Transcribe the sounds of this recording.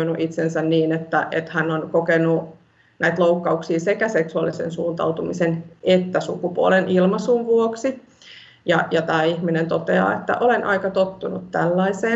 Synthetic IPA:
inuʔit̪sensænniːnet̪ːæ̰ʔḛt̪hænːonkokenu | næit̪loukːɑuksiːsekæseksuɑ̰lːˑisḛnsuːnt̪ɑ̰ut̪umisenʔet̪ːæsukupuo̰lenʔilmɑsuːnʋuoksi | jɑjɑt̪æːihminent̪ot̪eɑ̰ːet̪ːæ̰ʔolenʔɑ̰ikɑt̪ot̪ːunṵt̪tælːɑiseː

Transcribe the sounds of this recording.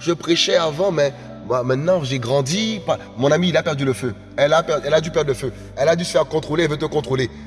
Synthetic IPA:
ʒəpχɛʃɛavɑ̃mɛ | mwamɛ̃t̪nɑ̃ʒeɡʁɑ̃d̪ipa | mɔ̃namiːlapɛʁd̪yləfø | ɛlapɛʁɛlad̪ypɛʁd̪ʁləfø | ɛlad̪ysə̥fɛʁkɔ̃t̪χolelvət̪əkɔ̃t̪χole

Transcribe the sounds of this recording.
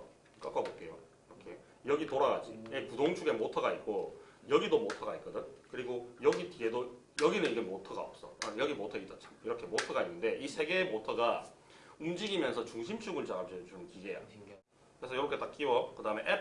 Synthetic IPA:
k͈ak͈abok͈e̞jo | iɾʌkʰe | jʌɡitoɾaɡad͡ʑipudoŋt͡ɕʰuɡe̞motʰʌɡait̚k͈ojʌɡidomotʰʌɡaitk͈ʌdɯnkɯɾiɡojʌɡitie̞do | jʌɡinɯniɡe̞motʰʌɡa̰ʌp̚s͈ʌajʌɡimotʰʌit͈ʰʌt͡ɕʰḁmiɾʌkʰe̞motʰʌɡainːɯnde̞ʔisʰe̞ɡe̞ːmotʰʌɡa | umd͡ʑiɡimjʌnsʰʌt͡ɕuŋɕʰimt͡ɕʰuɡɯnt͡ɕaŋamd͡ʑit͡ɕomkiɡe̞ja̰ | kɯɾesʰʌjʌɾokʰe̞t͈ak͈̚iwʌkɯdaɯmeʔep̚

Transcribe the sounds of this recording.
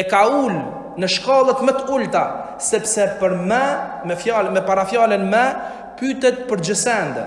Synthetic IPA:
ɛkaul | nəʃkɑlˠət̪mət̪ult̪a | sɛpsɛpəɾmɛ | mɛfjamɛpaɾafjalənmɛ | pyt̪ɛt̪̚pəɾd͡ʒəsɛnd̪

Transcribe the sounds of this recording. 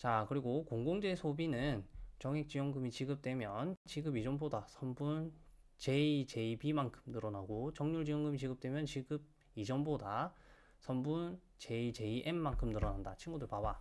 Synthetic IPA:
t͡ɕakɯɾiɡokoŋɡoŋd͡ʑe̞sʰobinɯnt͡ɕʌŋek̚t͡ɕ͈ijʌŋɡɯmit͡ɕiɡɯp̚t͈we̞mjʌnt͡ɕiɡɯbid͡ʑʌmbodasʰʌmbun | t͡ɕe̞it͡ɕe̞ibimankʰɯ̥mnɯɾʌnaɡot͡ɕʌŋɲuɭd͡ʑijʌŋɡɯmit͡ɕiɡɯp̚t͈we̞mjʌnt͡ɕiɡɯb̚ | id͡ʑʌmboda | sʰʌmbun | t͡ɕe̞it͡ɕe̞iʔe̞mːankʰɯmnɯɾʌnandat͡ɕʰinɡudɯɭpaba

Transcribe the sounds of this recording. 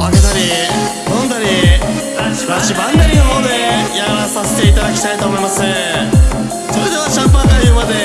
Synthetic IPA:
aket̪aɾʲi | nõ̞nd̪aɾʲi | aaɕibãnd̪aɾʲinoɦo̞ːd̪e̞jaɾasase̞t̪e̞it̪̬ad̪akʲi̥t̪ait̪o̞ːmo̞imasɨ | so̞ɾe̞d̪e̞β̞aɕãmpãnt̪ajɯːmad̪e̞

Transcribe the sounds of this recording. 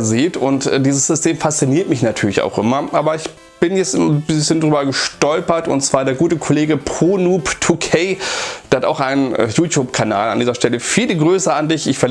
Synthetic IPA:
ziːtʊntːd̥iːzəsz̥ʏstʰeːmfast͡siniːɐtmɪçnatʰyːɐlɪça̰ʊxʔɪ̰mɐʔaːbɐɪç | b̥ɪnjɛt͡stbɪsçəndʁyːbɐɡəʃtɔlpɐtʊ̰ntt͡sv̥aːɐdeːɐɡuːtəkʰoleːɡəpʁ̥oːnuːptʰukʰeɪd̥ehata̰ʊxʔaɪnənjuːtjuːpkʰana̰ːla̰ndiːzɐʃtɛləfiːləɡʁøːsəandɪçɪçfɛɐ

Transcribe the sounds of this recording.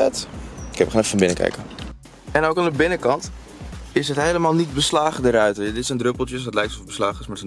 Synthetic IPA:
ɛtɪkɛpəχaːnɛfəfɔnbɪnəkɛ̰jkə | ɛnowkandəbɪnəkɑnt | ɪsɦətɦejləmaːlˠnit̚bəslaːχədəɾœɥtdɪtsɛndrøpəl̩ˠtjəsdɔtlɛjktɔfbəslaːχəsmaːs

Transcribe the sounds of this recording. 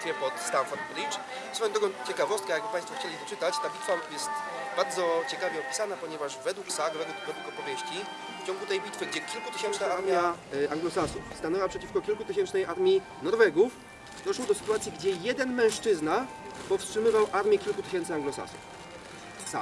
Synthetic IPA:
fʲjɛpɔt̪st̪anfɔɾt̪̚blʲit͡ʂ | sɔvɛ̃t̪ɔɡkɔ̃t͡ɕɛkavɔst̪kɛjaɡ̚bpaj̃st̪fɔxt͡ɕelʲid̪ɔt͡ʂɘt̪at͡ɕt̪abʲit̪fajɛst̪baɾd̪zɔt͡ɕɛkavʲjɛɔpʲi̥sanapɔɲɛvaʐvɛd̪wuksaɡɔvɛɡɔpɛɡɔd̪wukɔpɔvʲjeɕt͡ɕi | ft͡ɕɔ̃ŋɡut̪ɛjbʲit̪fɘɡd͡ʑɛkʲilkut̪ɘɕɛnt͡ʂnaaaɾmmʲjjaaŋɡlɔsasṵfst̪anɛwapʂɛt͡ɕifkɔkʲilkut̪ɘɕɛnt͡ʂnɛjʔaɾmʲji | nɔɾvɛɡuf | d̪ɔʂwɔd̪ɔsɘ̥t̪uwat̪sʲjiɡd͡ʑɛjɛd̪ɛnmɛ̃w̃ʂt͡ʂɘzna | pɔfstʂɘmɘvawʔaɾmʲjɛkʲilkut̪ɘɕ̬ɛnt̪sɘaŋɡlɔsa̰sṵf | sa̰

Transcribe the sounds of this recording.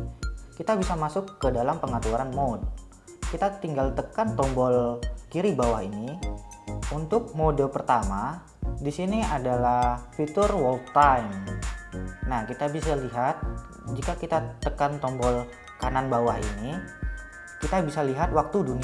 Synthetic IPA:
kit̪abisamasʊkːədalampəŋat̪uaɾanmɔd̚ | kit̪at̪iŋɡalt̪əkant̪ɔmbɔlkiɾibawaɦini | unt̪ʊk̚modəpərt̪ama | disiniadalahfit̪ʊrwɔlk̚t̪ajm | nahkit̪abisaliɦat̪̚ | d͡ʒikakit̪at̪əkant̪ɔmbɔl | kananbawahḭni | kit̪abisaliɦat̪̚wak̚t̪uduni

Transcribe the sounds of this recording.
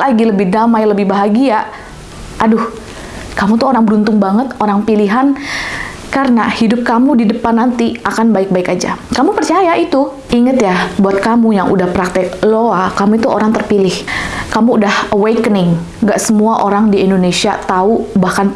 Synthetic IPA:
laɡiləbɪhdamajləbɪhbaɦaɡia | ʔadʊh | kamut̪uoɾaŋbəɾunt̪ʊŋbaŋət̪oɾaŋpiliɦan | karənahidʊp̚kamudidəpanːant̪iakanbaɪk̚baɪkad͡ʒa̰kamupərt͡ʃajaʔit̪u | iŋət̪jabuat̪̚kamujaŋʔṵdahpəɾak̚t̪ɪk̚loakamuit̪uoɾaŋt̪ərpilɪhkamuːdahəwekənɪŋ | ɡaʔsəmuaʔoɾaŋdiɛndonesia̰t̪aubahkan

